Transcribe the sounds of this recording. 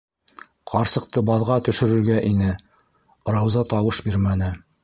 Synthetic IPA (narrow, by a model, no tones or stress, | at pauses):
qʰɑɾsɤ̆q̚t̪ɤbɑðʁɑt̪ɵ̆ʃɵ̆ɾɵ̆ɾɡæʔinɘ | ɾɑwzɑt̪ɑwɤʃbiɾmænɘ